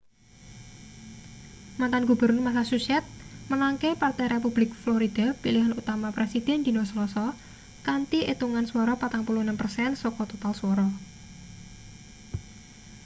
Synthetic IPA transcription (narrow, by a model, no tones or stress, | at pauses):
mant̪anɡubə̤rnʊrmas̬asusiɛt̪̚mənaŋkepart̪ɛjɾepub̥lɪk̚flɔɾid̪̥apiliɦanut̪amapɾʔesid̪̥ɛ̤nd̪̥i̤nɔsəlɔsɔ | kant̪iʔet̪uŋanswɔɾɔpat̪aŋpuluhnəmpərsɛnsɔkɔt̪ot̪alswɔɾɔ